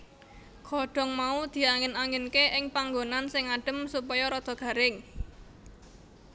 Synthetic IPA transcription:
ɡ̥ʰɔɖ̥ɔ̤ŋmaud̪̥i̤aŋɪnaŋɪnkeʔɪŋpaŋɡonansɪŋaɖ̥ə̤msupɔjɔɾɔd̪̥ɔ̤ɡ̥ä̤ɾɪŋ

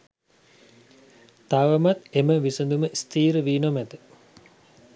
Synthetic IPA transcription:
t̪aʋəmat̪eməʋisənd̪uməʔist̪iːɾəʋiːnomɛt̪ə

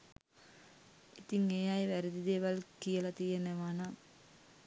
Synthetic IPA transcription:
it̪iŋejaːjʋæɾid̪id̪eːʋɐlkijəlɐt̪ijeneʋaːna

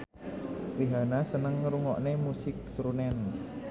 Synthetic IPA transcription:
wiɦanasənəŋːəɾuŋɔʔnemusɪk̚sɾunɛn

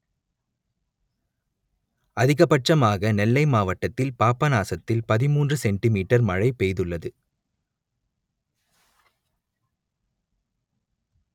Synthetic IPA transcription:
ɐðɪɣɐpɐʈrɐmaːɣɐnɛlːɐɪmaːʋɐʈːɐt̪ːɪlpaːpːɐnaːsɐt̪ːɪlpɐðɪmuːndrɯsɛɳʈɪmiːʈːɐɾmɐɻɐɪpejðɯɭːɐðɯ

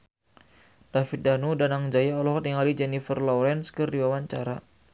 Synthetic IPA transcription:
d̥afit̪̚danudanaŋd͡ʒajaɔlɔht̪iŋalid͡ʒɛnifərlɔɾɛnskɨrdiwawaɲt͡ʃaɾa

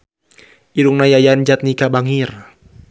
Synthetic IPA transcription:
ʔiɾuŋnajajand͡ʒat̪̚nikabaŋir

